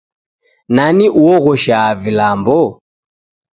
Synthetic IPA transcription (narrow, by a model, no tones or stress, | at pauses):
naniʔuɔɣɔʃaːvilambɔ